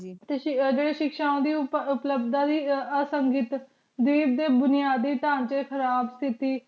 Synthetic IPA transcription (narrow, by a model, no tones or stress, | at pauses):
t̪eːd͡ʒeːɽeːʃɪkʃaːõːd̪iːʊʊpləbd̪aːd̪iːəsəŋɡɪt̪ | d̪iːb̚d̪eːbʊnɪjaːd̪iːt̪ãːnt͡ʃekʰəɾaːbst̪ʰɪt̪iː